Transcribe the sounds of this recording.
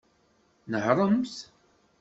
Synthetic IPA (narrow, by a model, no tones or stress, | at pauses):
nəħɾˤəmθ